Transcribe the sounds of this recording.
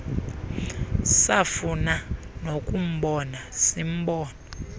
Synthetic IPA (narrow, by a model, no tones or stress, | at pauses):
safuna | nokʼum̩ɓɔnasim̩ɓɔːnɔ